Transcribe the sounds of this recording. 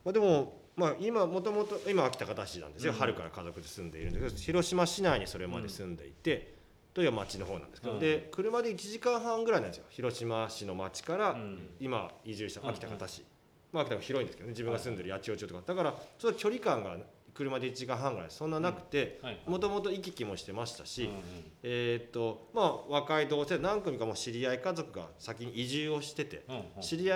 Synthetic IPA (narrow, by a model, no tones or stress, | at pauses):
mad̪e̞mo̞ | maimamo̞t̪o̞mo̞t̪o̞imaakʲi̥t̪akat̪aɕinã̰nd̪e̞sɨjohaɾɯ̟kaɾa̰kazo̞kɯ̟d̪e̞sɨ̃nd̪e̞iɾɯ̟nd̪eked̪oçiɾo̞ɕimaɕinaiɲ̟iso̞ɾe̞ma̰d̪e̞sɨ̃nd̪e̞̰it̪e̞ | t̪ojibamat͡ɕino̞ɦo̞ːnã̰nd̪eskeod̪e̞kɯ̟ɾɯ̟mad̪e̞it͡ɕiʑikãɰ̃ɦãŋɡɯɾainãnd̪esjoçiɾo̞ɕimaɕino̞mat͡ɕi̥kaɾaimaiʑɨːɕit̪aakʲi̥t̪akat̪aɕi | maakit̪akçʲiɾo̞ĩnd̪esked̪ne̞d͡ʑibɯ̟ŋɡasɨ̃nd̪e̞ɾɯjat͡ɕio̞t͡ɕɨːt̪okad̪akaɾat͡ɕot̪ːokʲo̞ɾʲikãŋɡa̰kɯ̟ɾɯ̟mad̪e̞it͡ɕiʑikãɦãŋɡɯɾa̰id̪esõ̞nːanakɯ̟̥t̪e̞mo̞t̪o̞mot̪o̞ikʲikʲimo̞ɕi̥t̪e̞maɕi̥t̪aɕieːt̪ːo̞maːβakaid̪o̞ːse̞nãŋkomʲikamoːɕiɾʲiaikazo̞kɯ̟ɡa̰sakʲiɲ̟iːʑɨːo̞ɕi̥t̪e̞t̪e̞̰ɕiɾʲia